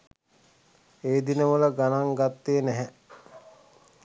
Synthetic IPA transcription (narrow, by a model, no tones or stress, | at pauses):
eːd̪inəʋələɡanaŋɡat̪ːeːnɛɦɛ